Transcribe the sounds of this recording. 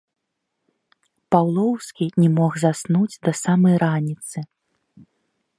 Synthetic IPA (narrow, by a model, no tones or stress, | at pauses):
pawlˠɔwskʲinʲɛmɔɣzasnud͡zʲd̪ɐsamɐjɾanʲit̪sɨ